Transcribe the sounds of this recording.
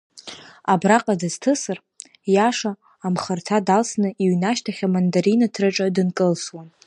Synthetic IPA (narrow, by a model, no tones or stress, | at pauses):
abraqʼadɨz̥tʰɨsɨr | jaʂaː | mχərtʰadalsnɨiɥnaʃtʰaχʲamandaɾinatʰrɨʈ͡ʂʼadɨnkʼɨlswan